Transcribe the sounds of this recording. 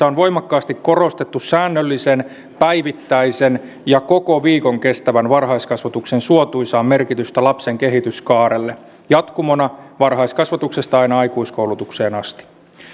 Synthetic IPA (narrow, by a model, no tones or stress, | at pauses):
æonʋo̞jmɑkːɑːst̪ikko̞ro̞st̪et̪ːusæːnːølːisen | pæjʋit̪ːæisen | jɑko̞ko̞ʋiːkoŋke̞st̪æʋænʋɑrɦɑiskɑsʋɑt̪uksensuot̪uisɑːmme̞rkit̪yst̪ælɑpseŋkeɦit̪yskɑːɾelːe | jɑt̪kumonɑʋɑrɦɑiskɑsʋɑt̪uksest̪ɑɑinɑɑikuisko̞ulut̪ukse̞ːnɑst̪i̥